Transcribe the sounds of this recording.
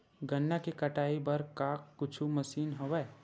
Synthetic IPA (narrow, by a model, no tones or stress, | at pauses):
ɡɐnːakikɐʈaːibɐɾkaːkːʊt͡ʃʰumɐsiːnɦɐʋɛ